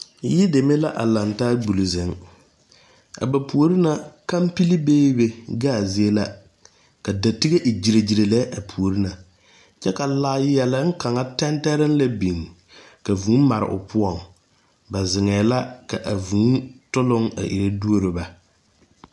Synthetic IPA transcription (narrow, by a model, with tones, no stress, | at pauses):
jɪ˦de˨me˦la˦ʔa˨la˨ntaː˦ɡ͡bu˨li˨zɪ˨ŋ | a̰˨ba˨pu˨o˨ɾi˦na˨ka˦mpi˦li˦beː˦be˨ɡaː˦˨zi˨e˦la˦ | ka˨da˨ti˦ɡe˦ʔi˨d͡ʒi˨ɾe˨d͡ʒi˨ɾe˨lɛ˦ʔa˨pʰu˨o˨ɾi˦na˨ | t͡ʃɛ˦ka˨laː˦jɛ˨lɪ˦ŋ̩˦ka˨ŋa˦tɛ˦ntɛ˦ɾɪ˦n˦la˦bi˨ŋ | ka˨vu˨˦ma˨ɾɪ̰˨ʔʊ̰˨pʊ˦ɔ˨ŋ | ba˨zɪ˨ŋɛː˨˦la˦ka˨ʔa˨vu˨˦tʊ˦lʊ˦ŋa̰˨ʔḭ˨ɾe˦du˦o˦ɾɪ˨ba˨